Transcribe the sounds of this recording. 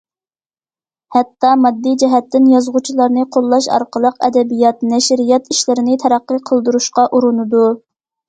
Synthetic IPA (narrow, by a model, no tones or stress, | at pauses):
hɛt̪ːɑmɑd̪ːid͡ʒɛɦɛt̪ːɪnjɑzʁut͡ʃʰilˠɑɾnɨqʰolˠːɑʃɑ̰ɾqəlˠəqɛ̰d̪ɛbijɑt̪̚nɛʃɾijɛt̪iʃlɪɾɪnɪt̪ʰɛɾæqːəqʰəlˠd̪uɾuʃqɑʔuɾunɨd̪u